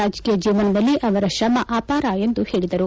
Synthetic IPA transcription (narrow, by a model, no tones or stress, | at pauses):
aːd͡ʒkiːjɐd͡ʒiːʋɐnɐd̪ɐlːiʔɐʋɐɾɐʃɐmɐʔaːpaːɾɐe̞nd̪uhe̞ːɭid̪ɐɾu